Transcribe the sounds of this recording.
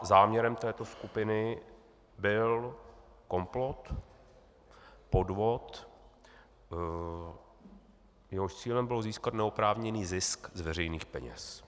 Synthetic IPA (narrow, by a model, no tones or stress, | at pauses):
zaːmɲɛɾɛmt̪ɛːt̪o̞skupɪnɪ | bɪl | ko̞mplot̪ | po̞dvot̪ | jɛɦoʃt͡siːlɛmbɪloziːskat̪nɛopɾaːvɲɛniːzɪskzvɛrɛjniːxpɛɲɛ̰s